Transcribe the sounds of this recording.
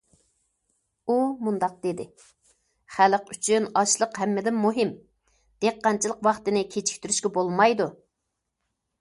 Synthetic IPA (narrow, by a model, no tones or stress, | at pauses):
umund̪ɑq̚d̪ed̪ɪ | χæləqyt͡ʃʰynɑʃlˠəqɦɛmːɪd̪ɪnmuɦɪm | d̪̥eqːɑnt͡ʃʰɨlˠəqwɑχt̪ɨnɪkʲʰet͡ʃʰi̥kʲt̪yɾyʃkʲɛbolˠmɑjd̪u